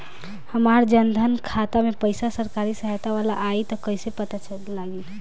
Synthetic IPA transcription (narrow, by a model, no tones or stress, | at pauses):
həmaɾd͡ʒənd̪ʱənkʰat̪amepəɪsasəɾkaɾisəɦat̪aʋala̰ʔːit̪ɔkəjsepət̪at͡ʃə | laɡit̪